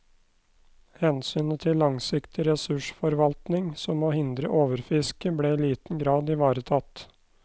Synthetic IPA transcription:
hɛnsyːnət̪ʰɪlːɑŋsɪkt̪ɪɾɛsʉʂfɔɾʋɑlt̪nɪŋsɔmoːhɪnd̪ɾəʔoːʋəɾfɪskəblɛiːliːt̪n̩ɡɾɑːd̪ɪʋɑːɾət̪ʰɑt̪

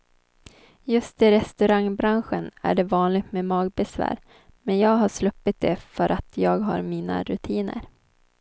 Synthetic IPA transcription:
jɵst̪ɪɾɛst̪ɵɾaŋbɾanɧənæ̰ɖɛvɑːnlɪɡ̚t̪mɛmɑːɡ̚bɛsvæ̰ːɾ | mɛnjɑːɡɦaʂlɵpːɪt̪̚d̪ɛfœɾʔat̪ʰjɑːɡɦa̰ɾmiːna̰ɾɵt̪ʰiːnə̰ɾ

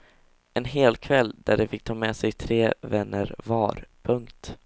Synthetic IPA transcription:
ɛnɦeːlkʰvɛlːd̪æɖɛfɪk̚ːt̪ʰɑːmɛsɛjt̪ʰɾeːvɛnːə̰ɾvɑːɾpʰɵŋkt̪

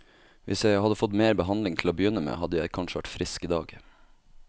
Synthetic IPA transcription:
ʋʔɪsjæɪhɑd̪əfɔt̪meːɾbəɦɑnlɪŋt̪ʰl̩oːbəjʏnːəmḛːhɑd̪əjæɪkʰɑnʃəʋæʈfɾɪskiːd̪ɑːɡ

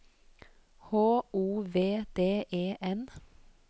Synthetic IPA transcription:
hoːuːʋeːd̪eːʔeːʔɛn

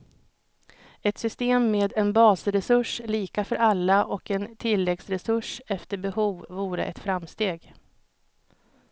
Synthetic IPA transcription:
ɛt̪sʏst̪eːmːeːd̪ɛnbɑːsɾɛsɵʂliːkafœɾalːaʔɔkɛnt̪ʰɪlːɛksɾɛsɵʂɛft̪əɾbɛhuːvːuːɾə̰ʔɛt̪fɾamːst̪eːɡ

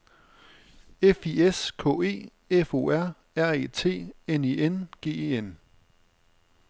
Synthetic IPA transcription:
efieskʰɔ̰̽ːe̝̰ː | efo̝̰ːæɐ̰ | æɐ̰eːt͡sʰe̝̰ːenienɡ̥e̝̰ːeen

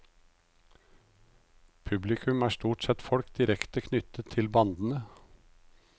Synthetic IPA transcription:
pʰʉblɪkʰʉmæːʂt̪uːʈsɛt̪fɔɽkd̪̥ɪɾɛkt̪əkʰnʏt̪ət̪ʰɪlbɑnd̪n̩ə

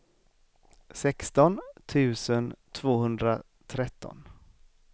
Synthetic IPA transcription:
sɛkst̪ɔnt̪ʰʉ̟ːsənt̪ʰvoːhɵnd̪ɾa | t̪ʰɾɛt̪ːɔ̰n

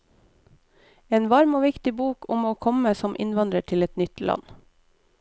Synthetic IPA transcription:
eːnʋɑɾmoːʋɪkt̪ɪbuːkʰʊmoːkʰɔməsɔmʔɪ̰nʋɑnd̪ɾəʈʰɪlɛt̪nʏt̪lɑ̰n

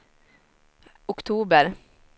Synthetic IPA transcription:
ʊkt̪ʰuːbəɾ

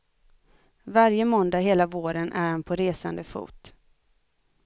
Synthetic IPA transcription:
vaɾjəmɔnd̪aɦeːlavoːɾənʔæ̰ɾhanpʰɔɾeːsa̰nd̪əfṵːt̪

